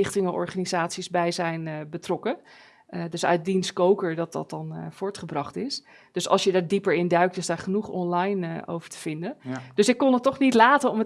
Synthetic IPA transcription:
ɪχtɪŋəʔɔ̰ɹχaːnizaːtsizbɛjzɛjnbətrɔkə | dɵsœ̰ɥt̚dinskowkəɹdɑt̚dɑ̰t̚ɑnv̥ʊːɹtχəbrɑχtɪs | d̥ɵsɑ̰lˠsjədaːɹdipəɹɪndœɥk̚tɪsdaːɹχənuχɔ̰nlɑjnʔo̰wvəɹtə̥v̥ɪndənd̥ɵsɪkːɔnətːɔχnitlaːtənɔmə

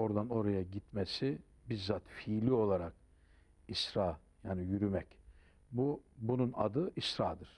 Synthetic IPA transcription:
o̞ɾd̪ano̞ɾajaɟit̪mɛsi | biɾzat̪fiːlʲio̞lˠaɾak | isɾaː | jaːnijyɾymɛc | bubununa̰d̪ɯʔisɾaːd̪ɯɾ̥

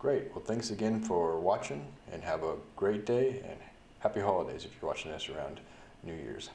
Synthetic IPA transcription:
ɡ̥ɹeɪt̚wɛlˠθæ̃ŋksɨɡɛ̃nfə˞wɑt͡ʃɪ̃ŋɨ̰̃nɨvəɡ̥ɹeɪt̚d̥eɪɨ̰̃n | hæpiɦɑlˠədeɪzɨfjə˞wɑ̰t͡ʃɪ̃ŋðʌsə˞ãʊ̃n | nʉjɪ̰ɹz̥

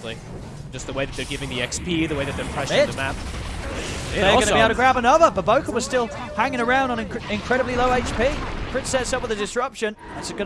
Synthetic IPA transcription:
li̥ | ʒ̥ʌst̪̚ðəweɪðɨt̪̚ðə˞ɡɪvɪ̃ŋðiɛkspʰiðəweɪðɨt̪̚ðə˞pʰɹ̥ɛʃɪðəmæp̚ | ɪðəɡʌnəbiaʊɾəɡɹæbə̃nʌðəbʌt̚b̥oʊkə˞wʌz̥stɪlˠ | hæ̃ŋɪ̃ŋə˞ãʊ̃nd̃ñ̩ɪ̃nkʰɹ̥ɛɾəbliloʊeɪt͡ʃpʰikʰɹ̥ɪtsɛtsʌp̚wɨðɨdɨsɹʌpʃɨ̃n | ɪtsɨɡʌ

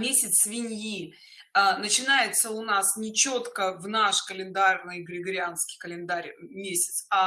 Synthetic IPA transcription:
mʲesʲɪt̪svʲɪnʲji | ənət͡ɕɪnajɪt̪səʊnasnʲɪt͡ɕot̪kəvnaʂkəlʲɪnd̪arnɨjɡɾʲɪɡəɾʲɪanskʲɪ̥jkəlʲɪnd̪aɾʲmʲesʲɪ̥t̪sa

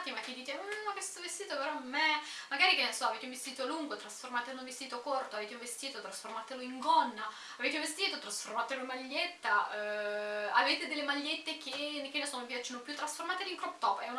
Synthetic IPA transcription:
t̪imak̟ːed̪iːt̪eakest̪ovest̪iːt̪opeɾɔmːɛmaɡaːɾikenlsɔaveːt̪eũɱvest̪iːt̪oluŋɡot̪ɾasformaːt̪elũɱvest̪iːt̪okort̪oaveːt̪euɱvest̪iːt̪ot̪ɾasformaːt̪eloiŋɡɔnːaː | veːt̪eũvest̪iːt̪ot̪ɾasformaːt̪eloemaʎːet̪ːa | aveːt̪ed̪elːemaʎːet̪ːek̟enekːenesonopjat͡ʃːenopjut̪ːɾasformaːt̪eliŋkɾɔp̚t̪ɔpɛun

